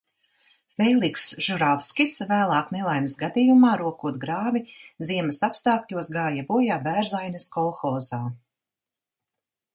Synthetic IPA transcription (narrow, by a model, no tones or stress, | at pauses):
fɛjlˠiksʒ̥uɾafskʲisvæːlˠɑːknelˠajmsɡad̪iːjumaːɾuɔkuɔt̪̚ɡɾaːviziɛmasapst̪aːkʎʲuɔsɡaːjabuɔjaːbæːɾzajnɐskɔlˠxɔːzaː